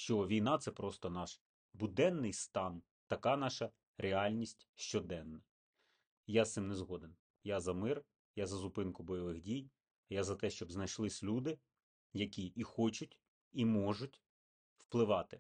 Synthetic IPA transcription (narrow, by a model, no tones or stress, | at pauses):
ʃt͡ʃɔʋʲijnɑt̪sɛpɾɔst̪ɔnɑʃ | bʊd̪ɛnːɪjst̪ɑn | t̪ɐkɑnɑʃɐ | ɾeɑlʲnʲisʲtʲʃt͡ʃɔd̪ɛnːɐ | jasɪmnezɦɔd̪en | jazɐmɪr | jazɐzʊpɪnkʊbɔjɔʋɪxdʲij | jazɐt̪ɛʃt͡ʃɔbznɐjʃlˠɪsʲlʲud̪ɪ | jɐkʲiʔixɔt͡ʃʊtʲ | imɔʒʊtʲ | wplˠɪʋɑt̪ɪ